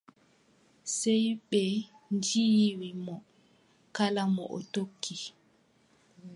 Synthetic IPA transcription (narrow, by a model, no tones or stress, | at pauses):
sɛjɓɛ | nd͡ʒijwimɔ | kalamɔ̰ʔɔ̰tokʰːi